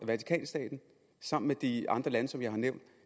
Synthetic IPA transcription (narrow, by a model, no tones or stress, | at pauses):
ʋæt͡sʰi̥kʰɛ̰ːnsd̥ɛ̰ːd̥n̩ | sɑ̈m̰n̩med̥iɑ̈nd̥ʁɐlænəsɒ̽mjɑ̈ɪhɑ̈neʊ̰nd̥